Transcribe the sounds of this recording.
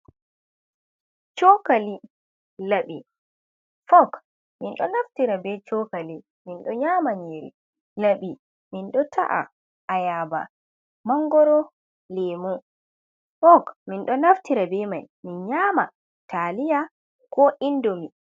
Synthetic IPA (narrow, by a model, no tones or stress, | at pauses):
t͡ʃɔkali | laɓi | fɔk | minɗɔnaftiɾabɛt͡ʃɔkali | minɗɔɲamaɲeɾḭ | laɓi | minɗɔtʰa̰ʔa̰ | ajaːba̰ | maŋɡɔɾɔ | lɛmɔ | fɔkminɗɔnaftiɾabɛmaj | minɲama | tʰalija | kɔʔindomi